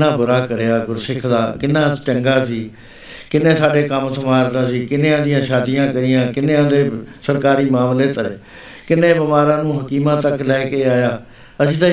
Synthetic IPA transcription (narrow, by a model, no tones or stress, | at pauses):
ãːbʊɾaːkəɾeːaːɡʊɾsɪkʰd̪aːkɪnːãːt͡ʃəŋɡaːsiː | kɪnẽːsaːɖeːkəmsəmaːɾd̪aːsiːkɪnẽːãːd̪ɪjãːʃaːd̪ijãːkəɾɪjãːkɪnẽːãːd̪eːsəɾkaːɾiːmaːmleːt̪əɾ | kɪnːẽːbəmaːɾãːnũːɦəkiːmãːt̪əklɛːkeːaːjaː | əsĩːt̪ãː